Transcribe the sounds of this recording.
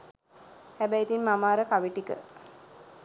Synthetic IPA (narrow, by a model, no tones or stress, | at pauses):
hæbɛit̪inmamaːɾəkaʋiʈikə̰